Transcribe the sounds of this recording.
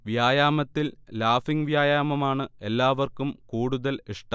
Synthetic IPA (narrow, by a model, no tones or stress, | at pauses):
ʋjaːjaːmɐt̪ːillaːfiŋʋjaːjaːmɐmaːɳɨe̞lːaːʋɐrkumkuːɽuðɐliʂʈɐ